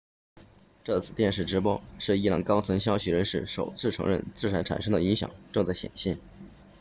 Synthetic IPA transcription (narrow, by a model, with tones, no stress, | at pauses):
ʈ͡ʂɤ˥˩t͡sʰɹ̩˨˩t̪jɛ˥˧nʂɻ̩˥˩ʈ͡ʂɻ̩˧˥pwɔ˥ʂɻ̩˥˩i˥lɑ̰˨˩ŋkɑ˥ʊt͡sʰwə˧˥nɕjɑ˥ʊɕʰy˨˥˩ɻə˧˥nʂɻ̩˥˩ʂo˨˩ʊt͡sʰɹ̩˥˩ʈ͡ʂʰɤ˧˥ŋɻə̰˥˧nt͡sɹ̩˥˩ʈ͡ʂʰa˧˥nʈ͡ʂʰa̰˨˩nʂɤ˥ŋd̪ə˨i˧˥ŋɕjɑ̰˨˩ŋʈ͡ʂɤ˥˧ŋt͡sa˥˩ɪɕjɛ̰˨˩nɕɛ˥˩n